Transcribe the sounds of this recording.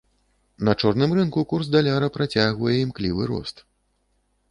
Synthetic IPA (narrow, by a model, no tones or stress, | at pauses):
nɐt͡ʂɔrnɨmrɨnkukursd̪alʲaɾɐpɾat͡sʲaɣvɐjɛimklʲivɨɾɔ̰st̪